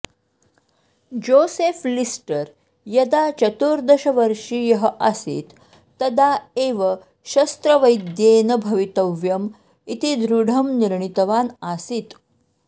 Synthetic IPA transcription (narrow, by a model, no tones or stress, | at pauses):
d͡ʑoseflisʈəɾ | jɐd̪at͡ɕət̪uɾd̪əɕəʋəɾʂiːjəɦəʔasḭːt̪ː | əd̪aeʋə | ɕɐst̪ɾəʋəjd̪jenəbʱəʋit̪əʋjəm | it̪id̪ɾuɽ̤ʱəmniɾɳit̪ʋanasit̪